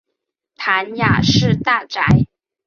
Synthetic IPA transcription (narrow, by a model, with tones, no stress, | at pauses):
t̪ʰa˧˥nja˨˩ʂɻ̩˥˧t̪a˥˩ʈ͡ʂa˨˥ɪ